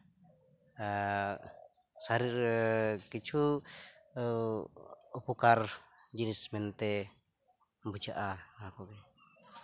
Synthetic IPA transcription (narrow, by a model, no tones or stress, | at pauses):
saɾirkit͡ʃʰu | upukard͡ʒinismɛnt̪ɛ | bud͡ʒaʔaŋaakukɛ